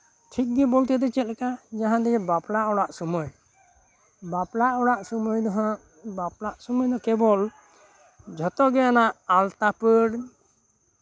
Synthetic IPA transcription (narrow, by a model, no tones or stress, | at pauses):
ʈʰik̚ɡɛbɔlt̪ɛd̪ɛt͡ʃɛt̪̚kad͡ʒaɦãd̪ɛɡɛbaplaʔɔɽaʔsɔmɔj | baplaʔɔɽaʔsɔmɔjd̪ɔɦã | baplaʔsɔmɔjd̪ɔkɛbɔl | d͡ʒʱɔt̪ɔɡɛanaʔalt̪apəɽ